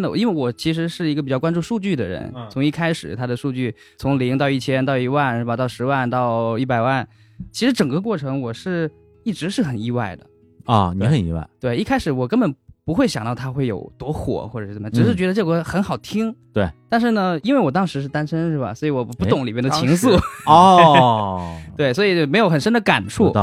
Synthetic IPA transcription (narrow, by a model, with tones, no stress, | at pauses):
nə˧˩i˥nwe˥˩ɪwɔ˨˩t͡ɕʰi˧˥ʂ̬ɻ̩˧˥ʂɻ̩˥˩i˧˥ɡə˧pi˨˩t͡ɕjɑ˥˩ʊkwa˥nʈ͡ʂu˥˧ʂu˥˧t͡ɕy˥˩d̪ə˩ɻə̰˧˥nt͡sʰʊ˧˥ŋi˥˩kʰa˥ɪʂɻ̩˨˩˦t̪ʰa˥d̪ə˨ʂu˥˧t͡ɕy˥˩ | t͡sʰʊ˧˥ŋli˧˥ŋt̪ɑ˥˧ʊi˥˩t͡ɕʰjɛ˥nt̪ɑ˥˧ʊi˧˥wa˥˧nʂɻ̩˥˩bɐ˨˩t̪ɑ˥˩ʊʂɻ̩˧˥wa˥˧nt̪ɑ˥˧ʊi˥˩pa˨˩ɪwa˥˩n | t͡ɕʰi˧˥ʂɻ̩˧˥ʈ͡ʂɤ˨˩ŋkə˧k̬wɔ˥˩ʈ͡ʂʰɤ˧˥ŋwɔ˨˩ʂɻ̩˥˧ | i˥˩ʈ͡ʂɻ̩˧˥ʂɻ̩˥˩xə˨˩ni˥wa˥˩ɪd̪ə̰˩ | ɔ̰˧˩ni˨˥xə˨˩nḭ˥wa̰˥˩ɪt̪we˥˩ɪi˥˩kʰa˥ɪʂɻ̩˧˩wɔ˨˩kə˥nbə˨˩npu˧˥xwe˥˩ɪɕjɑ˨˩ŋt̪ɑ˥˩ʊt̪ʰa˥xwe˥˩ɪjo̰˨˩ʊt̪wɔ˧˥xwɔ̰˨˩˦xwɔ˥˩ʈ͡ʂɤ˨˩ʂə˨˩mə˧ʈ͡ʂ̩˨˩ʂɻ̩˥˩t͡ɕɥɛ˧˥ə˧ʈ͡ʂɤ˥˩ɡə˧˥xə˧˥nxɑ˨˩ʊt̪ʰi˥ŋt̪we˥˩t̪a˥˧nʂɻ̩˥˩nə˩i˥nwe˥˩ɪwɔ˨˩t̪ɑ˥ŋʂɻ̩˧˥ʂ̬ɻ̩˥˩t̪a˥nʂə˥nʂɻ̩˥˩bɐ̰˩swɔ˧˥i˧˥wɔ˨˩˨pu˥˩t̪ʊ˨˩ŋli˨˩mjnd̪ət͡ɕʰi˧˥ŋs̬u˥˩ɔ˥ | tt̪we˥˩ɪswɔ˧˥i˨˩t͡ɕo˥˩me˧˥ɪjo˧˥ʊxə˨˩nʂə˥nd̪ə˨ka˨˩nʈ͡ʂʰu˥˩